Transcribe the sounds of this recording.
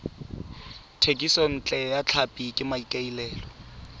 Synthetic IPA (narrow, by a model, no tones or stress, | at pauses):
tʰekʼisɔn̩t͡ɬʼɛjat͡ɬʰapʼikʼɪmaikʼailɛːlɔ